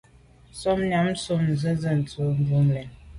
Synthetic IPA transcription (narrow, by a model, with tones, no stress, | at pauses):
sɔ˦mn˨a˨˦m˦so˦˨mn˨zə˦zə˦˨n̩˨t͡sə˦m˨bu˦mlɛ˨n